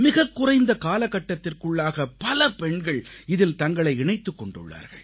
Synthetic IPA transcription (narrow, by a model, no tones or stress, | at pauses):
mɪɣɐkːʊrɐɪnd̪ɐkaːlɐkːɐʈːɐt̪ːɪrkɯɭːaːɣɐpɐlɐpɛɳɡɐɭɪðɪlt̪ɐŋɡɐɭɐɪɪɳɐɪt̪ːɯkːɔɳɖɯ̰ɭːa̰ːɾɣɐ̰ɭ